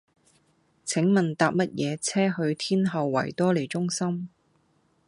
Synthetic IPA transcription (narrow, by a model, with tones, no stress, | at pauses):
t͡sʰɪ˨˥ŋmɐ˨˩nt̪aː˧p̚mɐ˥t̚jɛː˨˧t͡sʰɛː˥ɦɵ˧ɥt̪ʰiː˥nɦɐ˨wːɐ̰˨˩jt̪ɔː˥le˨˩jt͡sʊ˥ŋsɐ˥m